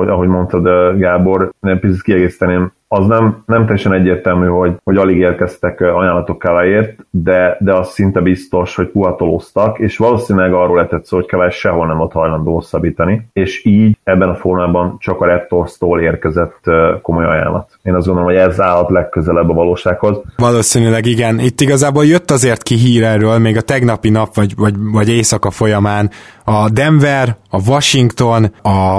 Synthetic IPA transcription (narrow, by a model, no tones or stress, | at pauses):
oɒɦo̞ɟmo̞nt̪ɒd̪ɡaːbo̞rɛpit̪sit̪kiɛɡeːsi̥t̪ɛneːm | ɒznɛmnɛmt̪ɛjːɛʃɛnɛɟːeːrt̪ɛlmyːho̞ɟho̞ɟɒliɡeːrkɛst̪ɛkɒjaːnlɒt̪o̞kːɛlɛjeːrt̪d̪ɛd̪ɛɒsːint̪ɛbist̪o̞ʃho̞cpuɦɒt̪o̞lost̪ɒkeːʃʋɒloːsiːnilɛɡɒrːoːlɛt̪ɛt̪soːho̞ckɛvaːʃɛɦo̞lnɛmvolt̪hɒjlɒnd̪oːosɒbiːt̪ɒnieːʃiːɟɛbːɛnɒformaːbɒnt͡ʃɒkɒɾɛt̪ːorst̪oːleːrkɛzɛt̪ːko̞mo̞jɒ̰ja̰ːlʔɒt̪eːnɒzɡond̪olomhoɛzaːlɒt̪lɛkːøzɛlɛbːɒvɒloːʃaːkho̞zvɒloːsiːnylɛɡiɡɛnit̪ːiɡɒzaːboːljø̞t̪ːɒzeːrt̪kiɦiːɾɛrøːlmeːɡɒt̪ɛɡnɒpinɒpʋɒɟvɒɟvɒɟeːsɒkɒfo̞jɒmaːn | ɒd̪ɛɱvɛrɒvɒʃiŋkt̪o̞nɒ